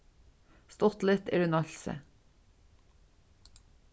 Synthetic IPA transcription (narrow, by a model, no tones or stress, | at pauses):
st̪ɔt̪lɪt̪ḛːɾʉnɑʎsə̰